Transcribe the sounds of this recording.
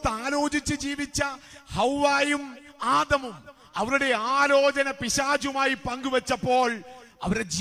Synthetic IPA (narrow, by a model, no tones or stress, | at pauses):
t̪aːlo̞ːd͡ʑit͡ɕːɨd͡ʑiːʋit͡ɕːɐhɐwʋaːjumaːd̪ɐmum | ɐʋɐɾuɽe̞aːlo̞ːt͡ɕɐnɐpiɕaːd͡ʑumaːjipɐŋɡuʋɐt͡ɕːɐpːo̞ːɭɐʋɐɾed͡ʑi